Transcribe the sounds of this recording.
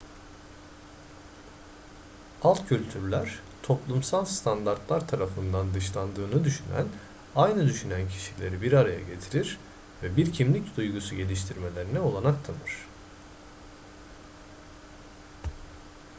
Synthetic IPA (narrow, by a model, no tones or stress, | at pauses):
alˠt̪cʰylʲt̪ʰyɾlʲæɾ̥ | t̪ʰo̞plˠumsalˠst̪ʰand̪aɾt̪lˠaɾt̪ʰaɾafɯnd̪and̪ɯʃlˠand̪ɯːnɯd̪yʃynæ̰n | ajnɯd̪yʃynæncʰi̥ʃilʲe̞ɾibiɾaɾaja̰ɟe̞t̪ʰiɾiɾ | vɛbiɾcʰimlʲicd̪ujɡusuɟe̞lʲiʃt̪ʰiɾme̞lʲe̞ɾinɛo̞lˠanak̚t̪ʰanɯɾ̥